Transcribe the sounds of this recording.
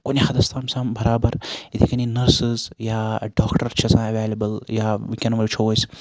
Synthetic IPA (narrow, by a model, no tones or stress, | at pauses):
konʲixɐd̪ɐst̪ʰaːmsãːmbɐɾaːbɐɾit̪ʰikɐninɐɾsɨzjaːɖaːkʈɐɾt͡ʃʰɐsãːɐʋeːlɐbəljaːʋikʲɐnʋɐɾt͡ʃʰoʋɐjs